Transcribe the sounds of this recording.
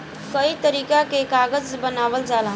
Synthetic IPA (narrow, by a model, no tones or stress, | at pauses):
kəit̪əɾiːkakekaːɡəd͡ʒbənaːʋəld͡ʒalɦ